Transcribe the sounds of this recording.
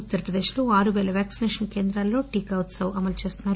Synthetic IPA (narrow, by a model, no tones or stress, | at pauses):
ut̪ːɐɾɐpɾɐd̪e̞ːʃlo̞ːaːɾuʋeːlɐʋʲjaːksineːʂɐnke̞ːnd̪ɾaːlːo̞ːʈiːkɐwt̪sɐwɐmɐlt͡ʃe̞ːst̪unːaːɾu